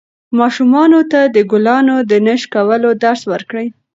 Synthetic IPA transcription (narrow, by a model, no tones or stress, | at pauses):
mɑʃumɑnot̪ad̪əɡʊlɑnod̪ənəʃkawəlod̪aɾswəɾkɽəj